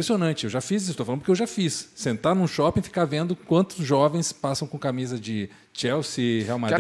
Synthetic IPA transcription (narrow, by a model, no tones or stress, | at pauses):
pɾesionɐ̃nt͡ʃɪewʒafizisest̪oflɐ̃d̪pkewʒafisːẽnt̪aɾnũʃɔpĩfi̥kaɾvẽnd̪ʊkwɐ̃nt̪ʊzʒɔvẽj̃spasɐ̃w̃kõkamizɐd͡ʒɪ | t͡ʃɛwsɪheawmad̪